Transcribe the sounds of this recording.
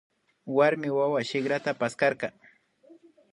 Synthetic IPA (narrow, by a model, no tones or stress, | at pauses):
waɾmɪwawaʃɪkɾat̪apaskɑɾkɑ